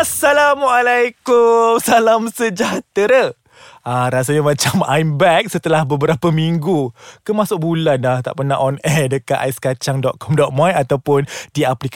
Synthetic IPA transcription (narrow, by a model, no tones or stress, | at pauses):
asalamʔalajkumsalamsəd͡ʒaht̪əɾə | aɾas̬aɲamãt͡ʃama̰jmbɛk̚sət̪əlahbəbəɾapəmiŋɡukəmãsʊk̚bulanlaht̪a̰ʔpənaʔɔnɛdəkat̪ajsə̥kat͡ʃaŋdɔʔ̪̚kʰɔmdɔt̪̚majat̪awpʊndiaplik